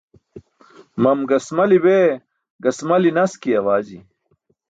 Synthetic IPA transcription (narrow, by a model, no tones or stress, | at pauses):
mɐmɡɐsmɐlibe | ɡɐsmɐlinɐskiɐwaːd͡ʑi